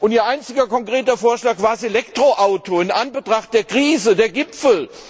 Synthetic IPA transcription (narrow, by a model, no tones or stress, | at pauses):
ʔʊntiːɐʔaɪnt͡sɪɡɐkʰɔŋkʁ̥eːtɐfoːɐʃlaːkv̥aːɐzelɛktʁ̥oʔaʊtoɪnʔanbətʁ̥aχt̚d̥eːɐkʁ̥iːzədeːɐɡɪpfl̩